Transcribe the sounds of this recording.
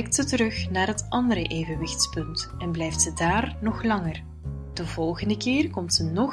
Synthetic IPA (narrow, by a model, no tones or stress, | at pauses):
k̚tsətəɾɵxnaːrɦətʔɑndəɾəʔeːvənʋɪxtspɵntɛnblɛjftsədaːrnɔxlɑŋər | d̥əvɔlˠɣəndəkɪːrkɔmtsənɔ